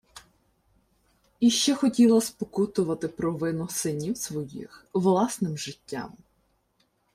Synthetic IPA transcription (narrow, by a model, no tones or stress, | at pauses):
iʃt͡ʃɛxɔtʲilˠɐspɔkut̪ʊʋɐt̪ɪpɾɔʋɪnʊsɪnʲiwsʋɔjḭxʋlˠɑsnɪmʒɪtʲːa̰m